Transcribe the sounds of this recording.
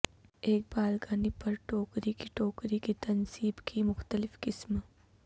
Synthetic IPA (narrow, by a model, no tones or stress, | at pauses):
eːk̚baːlɡaːnipɐɾʈoːkɾikiʈoːkɾikit̪ɐnsiːbkimʊxt̪əlɪfkɪsm